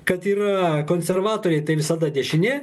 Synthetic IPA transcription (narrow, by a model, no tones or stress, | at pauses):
kɐt̪iːɾɐkoːnʲsʲɛrʋɑːt̪oːɾʲɛɪt̪ɐɪʋʲɪsɐd̪ɐd̪ʲɛʃʲɪnʲe